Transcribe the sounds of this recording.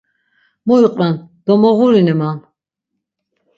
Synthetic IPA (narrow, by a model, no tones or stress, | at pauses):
mɔiqʼɾand̪̥ɔmɔɣuɾinɛman